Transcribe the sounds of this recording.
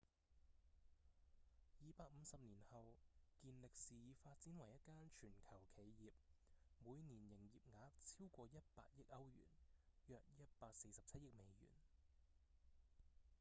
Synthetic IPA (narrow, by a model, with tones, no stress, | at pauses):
jiː˨˧paː˧k̚m̩˨˧sɐ˨p̚niː˨˩nhɐ˨wkiː˧nlɪ˨k̚siː˨jiː˨˧faː˧t̚t͡siː˨˥nwɐ˨˩jɐ˥t̚kaː˥nt͡ʃʰyː˨˩nkʰɐ˨˩wkʰe˨˧jjiː˨p̚muː˨˧jniː˨˩njɪ˨˩ŋjiː˨˩p̚ŋaː˨˧˥k̚t͡sʰiː˥wkʷɔː˧jɐ˥t̚paː˧t̚jɪ˥k̚ʔɐ˥wjy̰ː˨˩njœː˧k̚jɐ˦˥t̚paː˧k̚se˧jsɐ˨p̚t͡sʰɐ˥t̚jɪ˥k̚me˨˧jjy̰ː˨˩n